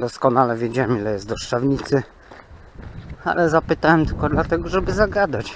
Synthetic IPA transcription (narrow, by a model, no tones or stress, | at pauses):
d̪ɔskɔnalɛvʲjed͡ʑawɛmilɛjɛst̪d̪ɔʂt͡ʂavɲit̪sɘ | a̰lɛzapɘt̪awɛmt̪ɘlkɔd̪lat̪ɛɡɔʐɛbɘzaɡad̪at͡ɕ